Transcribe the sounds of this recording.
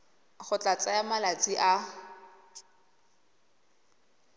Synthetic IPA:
χʊt͡ɬʼat͡sʼajamalat͡sʼiʔa

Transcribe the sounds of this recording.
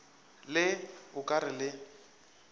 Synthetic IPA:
lɪʊkʼaɾɪlɪ

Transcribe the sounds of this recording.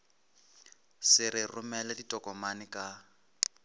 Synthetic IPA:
sɪɾɪrʊmɛlɛditʼɔkʼɔmanɪkʼa

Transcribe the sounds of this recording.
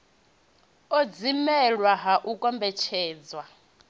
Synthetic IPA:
ɔd͡zimɛɺwaɦaʔukʼɔmbɛt͡ʃʰɛːd͡zwa

